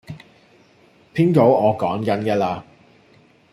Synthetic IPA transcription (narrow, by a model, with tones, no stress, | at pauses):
pʰiː˥nko˨˥wɔː˨˧kɔː˨˥ŋkɐ˨˥nkɛː˨laː˧